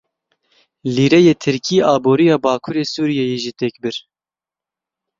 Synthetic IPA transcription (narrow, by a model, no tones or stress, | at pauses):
liːɾɛjeːt̪ʰɨɾkʰiːɑːboːɾijɑːbɑːkʰuɾeːsuːɾijɛjeːʒit̪ɛkbɨɾ